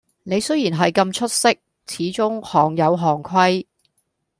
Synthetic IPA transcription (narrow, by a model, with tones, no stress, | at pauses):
ne˨˧jsɵ˥ɥjiː˨˩nɦɐ˨jkɐ˧mt͡ʃʰɵ˥t̚sɪ˥k̚ | t͡sʰiː˨˥t͡sʊ˥ŋhɔː˨˩ŋjɐ˨˧wɦɔː˨˩ŋkʷʰɐ˥j